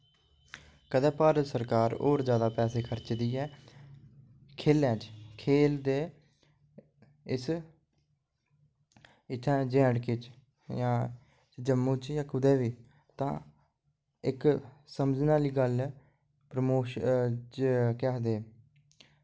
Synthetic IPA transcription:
kəd̪ɛ̃ːpaːɾət̪səɾkaːɾo̰ːɾzjaːd̪aːpɛːseːkʰəɾt͡ʃd̪iːɛː | kʰeːlɛ̃ːt͡ʃkʰeːld̪eː | ɪs | ɪt̪ʰːãːd͡ʒɛ̃ːɖkɪt͡ʃ | jãː | d͡ʒəmːuːt͡ʃjãːkʊd̪ɛːʋiː | t̪ã̰ː | ɪksəmd͡ʒnaːliːɡəl | pɾəmoːʃt͡ʃkɛːd̪eː

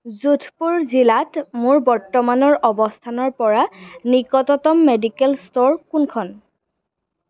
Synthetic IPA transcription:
zutʰpuɹzilatmʊɹbɔɹtɔmanɔɹɔbɔstʰanɔɹpɔɹanikɔtɔtɔmːedikɛlstoɹkunkʰɔn

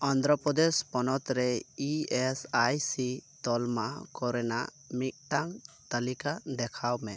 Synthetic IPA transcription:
ɔnd̪ɾɔpɾɔd̪ɛspɔnɔt̪ɾɛiɛsajsit̪ɔlmakɔɾɛna̰ | mit̪̚ʈaŋt̪alikad̪ɛkʰawmɛ

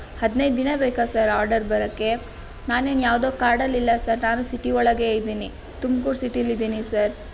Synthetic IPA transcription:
hɐd̪nɐjd̪d̪inɐbeːkasɐɾaːɾɖɐɾbɐɾɐkːe̞ | naːneːnjaːʋd̪o̞ːkaːɾɖɐlːilːɐsɐɾnaːnusiʈiɔɭːɐɡe̞ːjd̪iːni | t̪umkuːɾsiʈilːid̪iːnisɐɾ

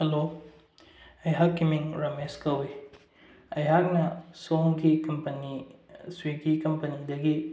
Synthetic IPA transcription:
helo | ɐjɦakːimiŋɾɐmeskɐwi | ɐjɦak̚nɐsoŋɡikɐmpɐniswiɡikɐmpɐnidɐɡi

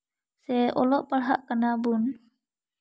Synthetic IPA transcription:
sɛʔɔlɔʔpəɾɦaʔkənabun

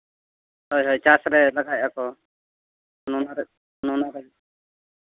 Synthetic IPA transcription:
hɔjɦɔjt͡ʃasɾɛlaɡaj̚ʔakɔ | nunaɾ | nunaɾɛl

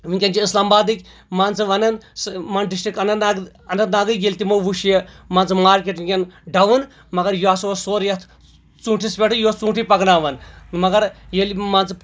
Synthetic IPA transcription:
ʋiŋʲkʲɐnd͡ʒiislaːmbaːd̪ɨkʲ | maːnt͡sɨʋɐnɐnsmanɖis̬ʈɾikɐnɐna | ɐnɐt̪naːɡɨɡʲelʲt̪imɐʋuʃjemaːnt͡sɨmaːɾk̬ʲeʈʋiŋʲkʲɐnɖɐʋun | mɐɡɐɾjuaːsoosoːɾjɐt̪ʰ | t͡sũːʈʰispʲeʈʰɨjot͡sũːʈʰipɐɡnaːʋɐnmɐɡɐɾjelmaːnt͡sɨp

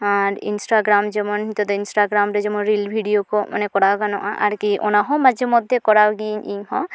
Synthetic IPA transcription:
aɾḭnsʈaɡɾamd͡ʒɛmɔnɦit̪ɔd̪ɔinsʈaɡɾamɾɛd͡ʒɔmɔnɾilbʱiɖijokoma̰nekɔɽakanɔʔaʔa̰ɾkiʔɔnaɦɔ̃mad͡ʒʱemɔd̪ʱekɔɾaɡiɲiɦɔ̰̃

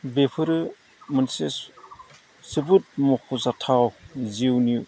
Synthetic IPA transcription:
bepʰɯɾɯ | mɯnses | sɯbut̚mɔkʰuzatʰawziwni

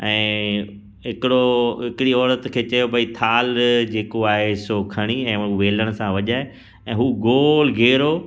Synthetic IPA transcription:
ɛ̃ː | ɦɪkɪɽoɦɪkɪɽiɔːɾət̪kʰeːt͡ɕɐjobʱɐit̪ʰaːld͡ʑeːkoaːɦesoːkʰɐɽ̃iɛ̃ːuʋeːləɽ̃ʊ̆sãʋɐʄaːe | ɛ̃ːɦuːɡoːlɡʱeːɾoː

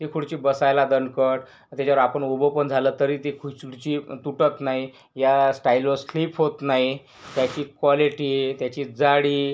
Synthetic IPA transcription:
t̪ikʰuɽt͡ɕiːbəsajlad̪əɳkəʈ | t̪jat͡ɕaʋəɾapəɳobəpəɳd͡zʱaləːt̪əɾiːt̪ikʰuuɽt͡ɕiːt̪uʈət̪naɦi | jasʈailoslipɦot̪naɦi | t̪jat͡ɕiːkʋaliʈiːt̪jat͡ɕiːd͡zaɽiː

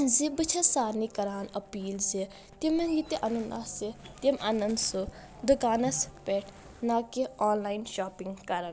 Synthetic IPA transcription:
zibɨt͡ʃʰɐsaːɾnikɐɾaːnɐpiːlze | t̪imɐnjit̪eʔɐnunʔa̰set̪imʔɐnɐnd̪su | d̪ukaːnɐspeʈʰ | naːkiɔːnlaːinʃaːpiŋɡkɐɾɐn

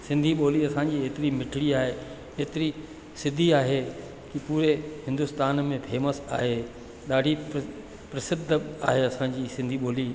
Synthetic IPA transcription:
sɪ̃nd̪ʱiɓoːliɐsãːd͡ʑiːeːt̪ɪɾimɪʈʰɪɽiaːɦe | eːt̪ɪɾi | sɪd̪ʱiaːɦe | kipuːɾehɪ̃nd̪ʊst̪aːnmẽpʰeːməsa̰ːɦeː | ɗ̪aːɖʱi | pɾɐsɪd̪ʱəa̰ːɦeɐsãɲd͡ʑiːsɪ̃nd̪ʱiɓoːli

